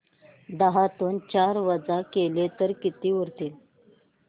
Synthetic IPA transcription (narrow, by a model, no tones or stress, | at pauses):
d̪əɦat̪uːnt͡ɕaɾʋəd͡zakelet̪əɾkit̪iːʋəɾt̪iːl